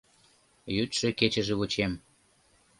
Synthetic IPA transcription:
jyt̪ʃĕket͡ɕə̆ʒeut͡ɕem

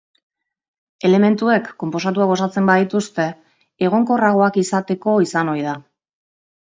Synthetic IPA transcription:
e̞le̞me̞nt̪ue̞kːo̞mpo̞s̬at̪̬uaɣo̞sat͡se̞mbaðit̪ust̪e̞ | eɣ̞o̞ŋko̞raɣ̞o̞akisat̪e̞ko̞isano̞jða

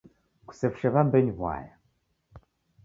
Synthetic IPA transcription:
ku̥sɛfu̥ʃɛβambɛɲβwa̰ja

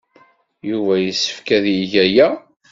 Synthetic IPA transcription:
juvæjəsːə̥fkæðjiʝæjæ

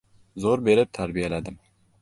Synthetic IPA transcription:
zoɾbeɾɪp̚t̪ʰæɾbijɛlæd̪ɪm

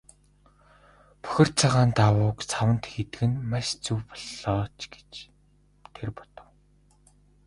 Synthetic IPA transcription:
pɵ̥xʲɪ̆r̥t͡sʰaʁaːnt̪awʊːkt͡sʰawə̆nt̪xet̪ɘ̆ɡɘ̆nmaʃt͡suwpɔ̥ɮːɔːt͡ɕɡe̥t͡ɕ | t̪ʰerpɔ̥t̪ɞ̆w

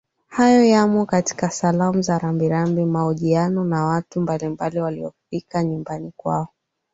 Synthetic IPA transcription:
hajɔjamɔkati̥kasalamuzaɾambiɾambimaɔʄianɔnawatumbalimbaliwaliɔfikaɲumbanikwa̰ɔ

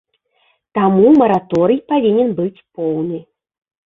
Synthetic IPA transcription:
t̪amumɐɾat̪ɔɾɨjpavʲinʲɛnbɨt͡sʲpɔwnɨ

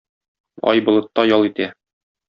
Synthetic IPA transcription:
ɒ̰jbŏlˠɤ̆t̪ːɑjɒlˠit̪æ

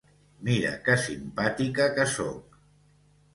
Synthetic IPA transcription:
miɾə̰kəsimpat̪ikəkəsok̚

